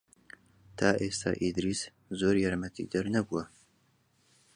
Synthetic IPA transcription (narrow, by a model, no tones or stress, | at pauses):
t̪ʰaːʔeːst̪ʰa̰ʔiːd̪ɾiːs | zoːɾjaɾmɐt̪ʰḭd̪ɐɾnɐbuwɐ